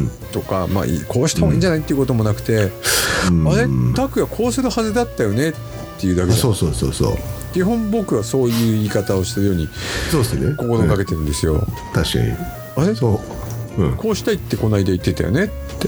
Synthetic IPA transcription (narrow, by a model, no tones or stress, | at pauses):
t̪o̞kama̰ːḭkʰo̞ːɕi̥t̪amoiːɲd͡ʑanait̪ːeiɯ̟ko̞t̪o̞mo̞nakɯ̟̥t̪e̞ | aɾe̞t̪akɯ̟ɡakʰo̞ːsɨɾɯ̟hazɨd̪at̪ːajo̞ne̞t̪ | t̪ːe̞jɯ̟ːd̪akesoːsoːso̰ːso̰ːkʲiɦõ̞mbo̞kɯ̟βaso̞ːjɯ̟ːiːkat̪ao̞ɕi̥t̪eɾɯjo̞ːɲ̟isoːesneko̞ko̞ɾoːkake̞t̪e̞ɾɯ̟nd̪e̞sɨjo̞t̪aɕi̥ka̰ɲḭ | aɾe̞sõ | ko̞ːɕi̥t̪ait̪ːe̞ko̞naid̪ait̪ːe̞t̪a̰jone̞t̪ːe